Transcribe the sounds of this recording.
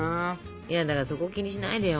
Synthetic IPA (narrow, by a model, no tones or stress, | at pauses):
jad̪akaɾaso̞ko̞kʲiɲ̟iɕ̬inaid̪eo